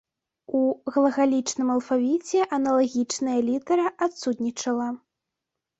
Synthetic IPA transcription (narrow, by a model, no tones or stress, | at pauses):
uɣɐlˠɐɣalʲit͡ʂnɨmɐlˠfavʲit͡sʲɛʔɐnɐlˠaɣʲit͡ʂnɐjɐlʲit̪ɐɾɐʔat̪sut̪ʲnʲit͡ʂɐlˠɐ